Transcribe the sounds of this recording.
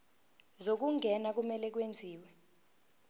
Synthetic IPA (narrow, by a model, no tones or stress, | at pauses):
zok̬uŋʱɛnak̬umɛlɛk̬wend͡zʱiːwɛ